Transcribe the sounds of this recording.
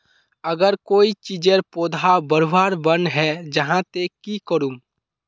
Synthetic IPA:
əɡəɾkoːit͡ʃid͡ʒəɾpoːd̪ʱabəɾubaːɾbənɦɛd͡ʒəɦãt̪ekikəɾũ

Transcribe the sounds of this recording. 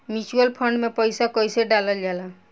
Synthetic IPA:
mit͡ʃuəlpʰəɳɖmepəjsakəjseɖaləld͡ʒala

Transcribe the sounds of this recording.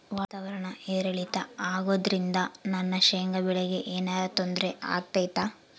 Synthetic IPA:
ʋaːt̪aːʋɐɾɐɳɐeːɾɐɭit̪ɐaːɡo̞ːd̪ɾind̪ɐnɐnːɐʃeŋɡɐbɛɭeɡe̞ʔeːnaːɾɐt̪ond̪ɾeʔa̰ːɡ̚t̪ɐjt̪a

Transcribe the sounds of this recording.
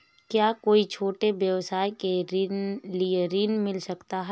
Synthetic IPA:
kjaːkoːit͡ʃʰoːʈeʋjɐʋsaːjkeɾɪlieɾinmɪlsɐkt̪aɦɛ

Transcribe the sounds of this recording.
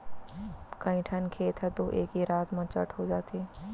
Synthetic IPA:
kɐ̃ĩʈʰənkʰeːt̪ʰɛt̪oːʔeːkiɾaːt̪mɐt͡ʃə̰ʈʰɦod͡ʒaːt̪eː

